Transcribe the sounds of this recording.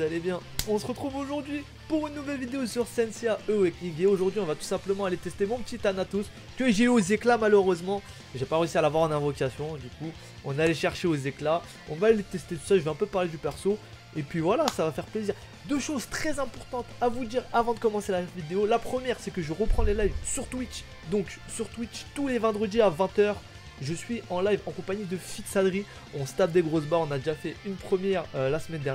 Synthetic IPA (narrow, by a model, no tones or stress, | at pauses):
uzalebjɛ̃ɔ̃səʁət̪χuvoʒuʁd̪ɥi | puʁynːuvɛlvid̪eosyʁsɛnseaʔøɛkniɡʲeoʒuʁd̪ɥiɔ̃vat̪u̥sɛ̃pləmɑ̃alet̪ɛst̪emɔ̃pət̪it̪anat̪us | kəɛʒeyozeklamaløʁøzmɑ̃ | ʒepaʁeysialavwaʁɑ̃nɛ̃vɔkasjɔ̃d̪yku | ɔ̃nalɛʃɛʁʃeozekla | ɔ̃valet̪ɛst̪et̪u̥saʒəveɛ̃pøpaʁled̪ypɛʁso | epɥivwalasavafɛʁpleziːʁ | d̪øʃozt̪χɛzɛ̃pɔʁt̪ɑ̃t̪avud̪iʁavɑ̃d̪əkɔmɑ̃selavid̪eolapχəmjɛʁsɛkəʒəʁəpχɑ̃lelajvsyʁt̪wit͡ʃ | d̪ɔ̃ksyʁt̪wit͡ʃt̪ulevɛ̃d̪ʁəd̪iavɛ̃t̪œːʁ | ʒəsɥiʔɑ̃lajvɑ̃kɔ̃paɲid̪əfiksalʁi | ɔ̃sə̥t̪ap̚d̪eɡʁosbaɔ̃nad̪eʒafɛynpχəmjɛʁølasəmɛnd̪ɛʁ